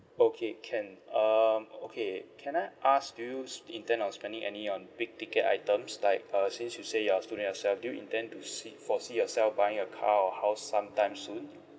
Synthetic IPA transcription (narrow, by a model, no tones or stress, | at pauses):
okʰekʰɛ̃nʌmokʰekʰɛ̃naɪʔasdujuĩntɛ̃nɔ̃nspɛ̃ndĩŋʔɛ̰niɔ̃nbiɡ̚tikəta̰ɪtə̃mslaɪk̚ʌsĩnsjusejɔstudə̃njɔsɛlfdujuĩntɛ̃ntusifɔsijɔsɛlfbajɪ̃ŋəkʰaɔhaʊssãmtãɪ̃msːũn